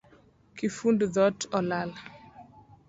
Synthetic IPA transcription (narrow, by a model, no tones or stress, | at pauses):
kifundðɔtʰɔlal